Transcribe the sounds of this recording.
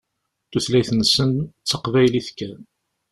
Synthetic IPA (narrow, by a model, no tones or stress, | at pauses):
θuθlæjθənsənt͡sːəqvæjliθkːæ